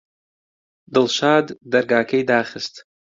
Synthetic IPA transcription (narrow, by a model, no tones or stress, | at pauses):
dɨlʃaddarɡaːkʲʰejdaːχʲəztʼ